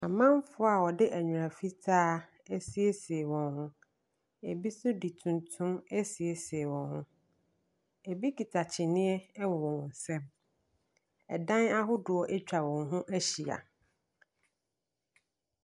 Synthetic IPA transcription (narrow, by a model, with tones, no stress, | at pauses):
a˨mã˦m˦fʊ˦a˨wɔ˨dɪ˦ʔæ˨ɲᶣũ˨a˨fi˦tʰaː˦ | æ˦si˨˦e˦si˨e˨wɔ̃˨nhʊ̃˦ | e˨bi˦sʊ˦di˨tʰũ˨ntʰʊ̃˦mæ˦si˨e˨si˨e˨wɔ̃˨nhʊ̃˦ | e˨bi˦ki˨tʰa˨t͡ɕʰɪ˨nɪ̃˦ɛ˦wɔ˨wɔ̃˨wɔ̃˨n̩˨sɛ̃˦m | ɛ˨dã˦na˦ɦʊ˦dʊ˨ɔ˨ʔɛ˦t͡ɕᶣa˨wɔ̃˨nɦʊ̃˦ʔæ˦ɕi˨a̰˨